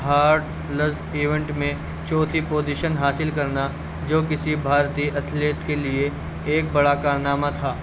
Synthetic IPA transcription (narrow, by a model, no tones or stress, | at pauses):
ɦaːɾʈ | ləz | iːʋẽɳʈmẽ | t͡ʃɔːt̪ipoːd͡ʒiʃənɦaːsɪlkɐɾna | d͡ʒoːk̬ɪsibʱaːɾt̪iʔɐt̪ʰleːt̪kelie | eːk̚bɐɽakaːɾnaːmat̪ʰaː